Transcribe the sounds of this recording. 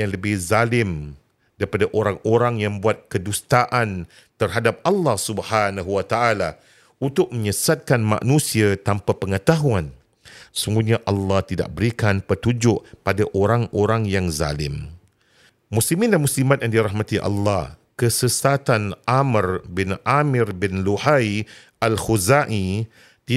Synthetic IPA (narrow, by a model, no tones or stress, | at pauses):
jaŋləbɪhzalɪm | daɾipadaʔoɾaŋoɾaŋjaŋbuat̪̚kədust̪aʔan | t̪ərɦadap̚alːɑhsubhanaɦuwat̪aala | unt̪ʊk̚mə̃ɲəsat̪̚kanmã̰ʔnũsiat̪ampapəŋət̪aɦuan | əsuŋɡuɲãʔalːɑht̪ida̰ʔ̚bəɾikanpət̪ud͡ʒʊʔpadaʔoɾaŋoɾaŋjaŋza̰lɪ̰m | muslimĩndanmuslimat̪̚jandiɾaɦmãt̪iʔɑ̰lːɑhkəsəsat̪anʔamərbɪnʔamɪrbɪnluhai | alhuzaʔi | t̪i